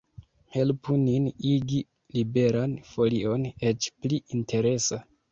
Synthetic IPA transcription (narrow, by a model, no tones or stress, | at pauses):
he̞lpuniniɡi | libe̞ɾanfo̞lio̞ne̞t͡ʃpliʔintʰe̞ɾe̞sa